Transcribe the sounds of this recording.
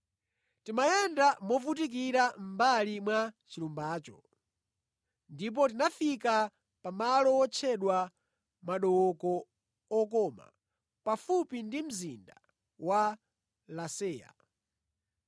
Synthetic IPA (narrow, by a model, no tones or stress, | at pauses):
timajɛndamɔvutik̬iɾam̩balimwat͡ʃilumbaːt͡ʃɔ | ndip̬ɔt̬inafika | pamalɔwɔt͡ʃʰɛɗwa | maɗɔwɔkɔ | ɔkɔma̰ | pafupindim̩zinda | wa | lasɛːja̰